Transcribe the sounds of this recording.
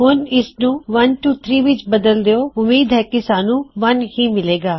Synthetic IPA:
ɦʊnɪsnũːʋənʈuːt̪ʰɾiːʋɪt͡ʃbəd̪əld̪eoːʊmiːd̪ɦɛːkɪsaːnũːʋənɦĩːmɪleːɡaː

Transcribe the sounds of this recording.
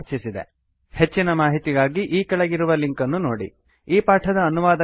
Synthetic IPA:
t͡ʃisid̪ḛ | he̞t͡ʃːinɐmaːɦit̪iɡaːɡiʔiːkɐɭɐɡiɾuʋɐliŋkɐnːunoːɽḭ | iːpaːʈʰɐd̪ɐːnuʋaːd̪ɐ

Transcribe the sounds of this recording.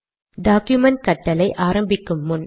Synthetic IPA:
ɖaːkjʊmɐɳʈ̚kɐʈːɐlɐɪʔaːɾɐmbɪkːɯmːʊn

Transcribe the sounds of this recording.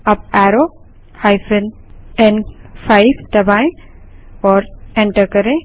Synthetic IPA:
ɐb̚ɛːɾo | haɪfʰən | ɛnfʰaːɪbd̪ɐbaːẽ | ɔːɾẽɳʈəɾkɐɾẽ

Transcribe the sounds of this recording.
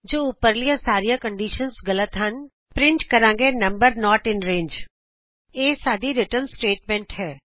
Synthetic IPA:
d͡ʒoːʊpəɾlijasaːɾijakə̃ɳɖiːʃənsɡɐlət̪ɦɐn | pɾɪ̃ɳʈkɐɾãːŋɡenɐ̃mbəɾnɔːʈɪ̃nɾẽːɲd͡ʒ | eːsaːɖiɾɪʈəɾnsʈeːʈmɛ̃ɳʈhɛː

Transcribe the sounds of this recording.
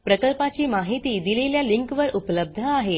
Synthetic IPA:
pɾəkəlpat͡ɕiːmaɦit̪iːd̪ileljaliŋkʋəɾupləb̚d̪ʱəaɦe

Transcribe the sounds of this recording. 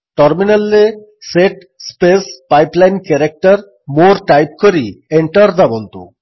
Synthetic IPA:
ʈɔɾminalːe | seʈ | spespajplajnkɛɾek̚ʈaɾ | moɾʈajp̚koɾieɳʈaɾd̪abont̪ṵ

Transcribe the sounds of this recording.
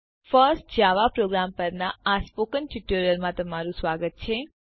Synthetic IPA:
fəɾsʈd͡ʒaʋapɾoɡɾampəɾnaːspokənʈiʈuɾjəlmãt̪əmaɾũsʋaɡət̪̚t͡ʃʰe

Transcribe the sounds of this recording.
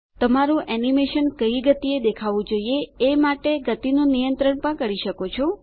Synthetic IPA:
t̪əmaɾũʔɛnimeʃənkəiɡət̪ied̪ekʰaʋũd͡ʒoieemaʈeɡət̪inũnijənt̪ɾəɳpəɳkəɾiʃəkot͡ʃʰo

